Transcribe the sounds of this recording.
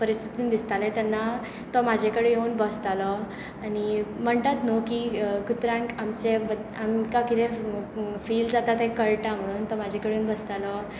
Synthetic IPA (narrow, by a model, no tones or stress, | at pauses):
pəɾist̪ʰit̪iːnd̪ist̪alɛ̃t̪janːa | t̪ɔmad͡ʑʱekəɽejeunbəst̪alɔ | añim̤əɳt̪at̪nokikut̪ɾãŋkamt͡ɕebəamkakit̪ẽ | fiːld͡zat̪at̪ɛ̃kəɾʈam̤əɽ̃uːnt̪ɔmad͡ʑʱekəɭeeunbəst̪alɔ